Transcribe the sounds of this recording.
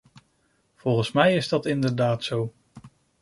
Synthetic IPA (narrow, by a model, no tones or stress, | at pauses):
v̥ɔlˠχənsmɛjɪzdɑtɪndəɹdaːtsow